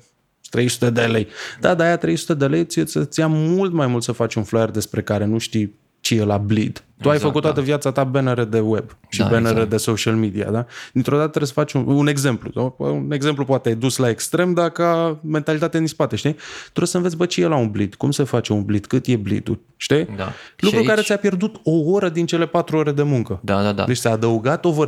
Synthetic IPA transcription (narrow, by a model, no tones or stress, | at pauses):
t̪ɾe̞jsu̥t̪e̞d̪ele̞jd̪ad̪aːjat̪ɾe̞jsu̥t̪e̞d̪e̞lejt̪sijesət̪sʲjamult̪majmult̪səfat͡ʃʲunflojerd̪e̞spɾe̞kaɾe̞nuʃt̪ij | t͡ʃejelablid̪uajfəkut̪t̪ːat̪əvjat̪sat̪abenəɾed̪e̞webʃibeneɾed̪e̞soʃialmid̪ia̰d̪ad̪̥int̪ɾo̞d̪at̪ət̪ɾeesə̥fat͡ʃʲuune̞ɡze̞mplṵune̞ɡz̥e̞mplupoat̪eajd̪uslae̞kst̪ɾe̞md̪akame̞nt̪alit̪at̪ead̪inspat̪eʃt̪it̪uɾesənvesʲbət͡ʃejelaunblid̪̥kumse̞fat͡ʃe̞unblid̪kɨt̪je̞blḭd̪ṵl | ʃt̪ialukkɾukaɾe̞tsʲjapje̞rd̪ut̪oo̞ɾəd̪int͡ʃe̞le̞pat̪ɾuo̞ɾe̞d̪e̞muŋkəd̪aaa̰d̪et͡ʃʲt̪t͡s̪ʲaːd̪əuɡat̪o̞vəɾ